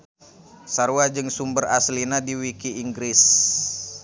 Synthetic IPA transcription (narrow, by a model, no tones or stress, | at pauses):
saɾuwad͡ʒɨŋsumbəraslinadiwikiiŋɡɾɪs